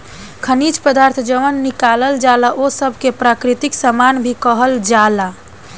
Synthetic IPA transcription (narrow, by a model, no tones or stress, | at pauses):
kʰənit͡ʃpəd̪aɾt̪ʰd͡ʒəʋənːikaləld͡ʒalaʔosəbʱkepɾakɾit̪iksəmanbʱikəɦəld͡ʒala